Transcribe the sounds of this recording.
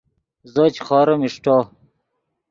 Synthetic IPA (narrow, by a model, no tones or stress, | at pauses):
zɐt͡ɕxɑːɾɐmiʂʈɑː